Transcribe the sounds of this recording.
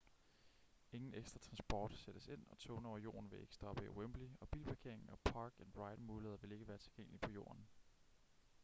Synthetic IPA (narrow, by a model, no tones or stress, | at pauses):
e̝ŋn̩eɡ̥sd̥ʁɐt͡sʰʁɑ̈nsb̥ɒ̰ːd̥sed̥əse̝n̰ɒ̽t͡sʰɔːnɒʊɐjo̰ːɐn̩ʋe̝e̝ɡ̥ə̥sd̥ɒ̽b̥əiwembliɒ̽b̥ḭːlpʰɑ̈kʰe̝ɐe̝ŋn̩ɒ̽pʰɑ̈ːɡ̥enʁɑ̈ɪd̥muːleðˠɐʋe̝le̝ɡ̥əʋæːɐt͡sʰe̝lɡ̥eŋ̰əlipʰɒ̽jo̝̰ːɐn